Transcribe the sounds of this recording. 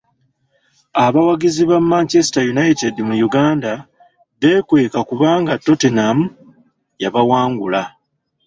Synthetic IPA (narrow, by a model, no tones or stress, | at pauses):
aβawaɡiziβamːaːɲce̞si̥tajunaitedimujuɡaːnda | βe̞kwe̞ːkakuβaːŋɡatːo̞tenamu | jaβawaːŋɡula